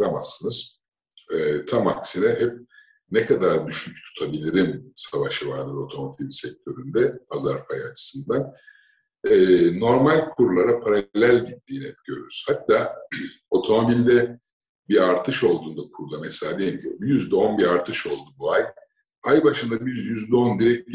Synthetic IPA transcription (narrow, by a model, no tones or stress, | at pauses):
amasːɯnɯz̥ | ɛːt̪ʰama̰ksinɛhɛp̚ | nɛkʰad̪aɾd̪yʃycʰt̪ʰu̥t̪ʰabilʲiɾimsavaʃɯvaɾd̪ɯɾo̞t̪ʰo̞mat̪ʰibsɛc̚t̪ʰø̞ɾynd̪ɛazaɾpʰajat͡ʃʰɯ̥sɯnd̪an | ɛno̞ɾmalʲkʰuɾulˠaɾapʰaɾallʲælʲɟit̪ːiːnɛɟøɾyɾyz̥hat̪ʰːaː | o̞t̪ʰo̞mo̞bilʲd̪ɛ | biaɾt̪ʰɯʃo̞lˠd̪uːnd̪akʰuɾd̪ameselaːd̪ejimcʰjyzd̪ɛo̞nbiaɾt̪ʰɯʃo̞lˠd̪ubuaj | ajbaʃɯnd̪abizjyzd̪ɛo̞nd̪iɾɛc̚bʲ